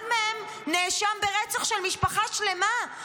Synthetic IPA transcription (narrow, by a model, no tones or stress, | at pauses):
dmehem | neʃambeʁet͡saχʃelmiʃpaχaʃle̞ma